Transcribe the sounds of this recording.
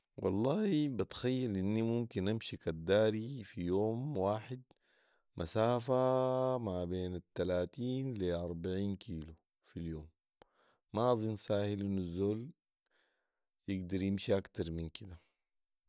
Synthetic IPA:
wɑ̰lˤːɑːhibat̪xajːalʔinːimumkinʔamʃikad̪ːaːɾifijoːmwaːħɪd̪̚ | mʔasaːfamabeːnat̪ːalaːt̪iːnliʔɑɾˤbaʕiːnkʰiːlu | filjoːmː | aʔɑzˤinsaːhilʔinːuzːoːl | jɪɡd̪ɑɾˤjimʃiʔakt̪ɑɾˤminkid̪a

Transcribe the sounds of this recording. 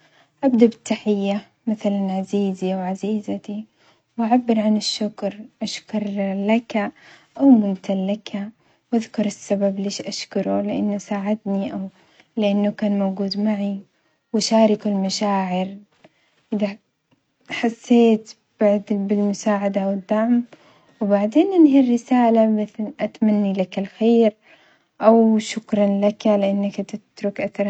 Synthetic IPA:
ʔabd̪abɪt̪ːaħɪjːa | maθalanʕaziːziʔawʕaziːzat̪i | wʔaʕabːɪɾʕanɪʃːʊkɾʔaʃkʊɾˤlakaʔawmʊnt̪ʰalːakʰa | wʔaðkʊɾˤɪsːabableːʃʔaʃkʊɾulɪʔanːasaːʕɪd̪niʔaw | lɪʔanːʊkaːnmawɡuːd̪maʕi | wʃaːɾɪkʊlmaʃaːʕɪɾ | ʔɪða | ħasːeːt̪ | b̥aʕd̪bɪlmʊsaːʕad̪awɪd̪ːaʕm | wɪbaʕd̪eːnʔɪnɦirːɪsaːlamɪθlʔat̪manːilakalxeːɾ | ʔawʃʊkɾˤɑnlakalɪʔanːakt̪ɪt̪ɾʊkʔat̪ɾˤ

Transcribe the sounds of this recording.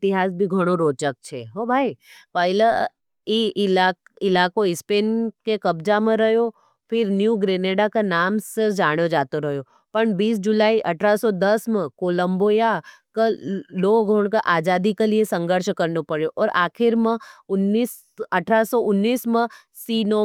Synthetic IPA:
ɪt̪ɪɦaːsbʱiɡʱəɽ̃oɾoːt͡ʃək̚t͡ʃʰeɦobʱaːipəilə | iʔla | ɪlakoɪspeːnkekəbd͡ʒamãɾəɦjo | fʰɪɾnjuɡɾeneɖakanamsɪɾd͡ʒaɽ̃od͡ʒaːt̪oɾəɦjo | pəɳbiːs̬d͡ʒʊlaːiʔəʈʰɾasɔd̪əsmãkoːləmbojakaloɡʱoɳ̃kaʔaːd͡ʒaːd̪ikaliesə̃ŋɡəɾʃkəɾnopəɽjoʔɔːɾaːkʰɪɾmãʊnːis | əʈʰɾasɔʔʊnːiːsmã | siːno

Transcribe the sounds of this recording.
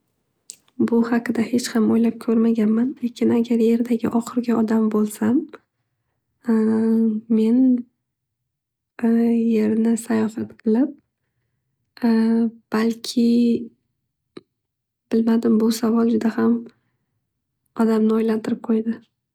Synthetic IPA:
bʊhaqɨd̪ahe̞t͡ʃhamojlap̚kʲʰɵɾmaɡʲanmanlekʲʰɪnaɡʲaɾje̞ɾd̪aɡʲɪ̰ʔɒχɨɾɡʲaɒd̪ambolˠsam | me̞n | je̞ɾnɪsajɒfat̪qʰɨlˠɪp̚ | b̥alkʲʰɪ | b̥ɪlmad̪ɪmbʊsavɒlˠd͡ʒʊd̪aham | ɒd̪amnɪojlant̪ʰɪɾɪp̚qʰojd̪ɪ

